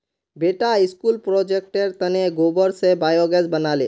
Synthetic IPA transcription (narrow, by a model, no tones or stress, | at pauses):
beːʈaɪskulpɾɔːd͡ʒek̚ʈəɾt̪əneɡoːbəɾsebaːjɔɡɛsbənaːlḛː